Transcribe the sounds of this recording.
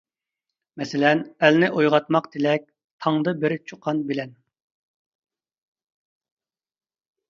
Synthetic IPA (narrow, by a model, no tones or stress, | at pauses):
mɛsɪlɛnælnɪʔojʁɑt̪mɑqd̪ʰelɛk̚ʲ | t̪ʰɑŋd̪ɨbɪɾt͡ʃʰuqʰːɑnbɪlɛn